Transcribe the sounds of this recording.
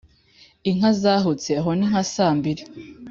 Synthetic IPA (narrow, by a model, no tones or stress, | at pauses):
iŋazaːɦot͡seaɦoniŋ̥hasaːmbiɾe